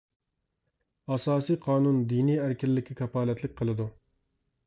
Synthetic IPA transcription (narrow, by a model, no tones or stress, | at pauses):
ɑsɑːsijqʰɑːnund̪inijæɾkʲʰɪlːɪkʲʰːɛkʲʰɛpɑːlɛt̪lɪk̚ʲqʰəlˠɨd̪u